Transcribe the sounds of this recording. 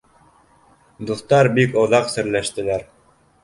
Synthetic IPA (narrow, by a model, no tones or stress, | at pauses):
d̪uθt̪ɑɾbikŏðɑqsɘ̆ɾlæʃt̪ɘ̆læɾ